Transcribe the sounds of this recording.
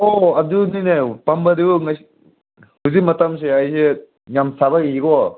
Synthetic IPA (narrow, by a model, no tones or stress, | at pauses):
ɔɐduninepɐmbɐdiuŋɐs | huzik̚mɐtɐms̬eajse | ŋamsaβɐiɡɔ